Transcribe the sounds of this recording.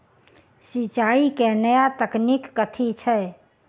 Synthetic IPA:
sit͡ʃaːikɛnəjat̪əknikːət̪ʰit͡ʃʰɛ

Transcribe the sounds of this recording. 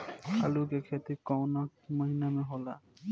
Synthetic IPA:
a̰lukekʰet̪ikɔwnakməɦinamɛɦɔla

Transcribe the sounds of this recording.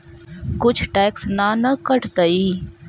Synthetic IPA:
kʊt͡ʃʰʈɛːksnaːnəkəʈt̪əi

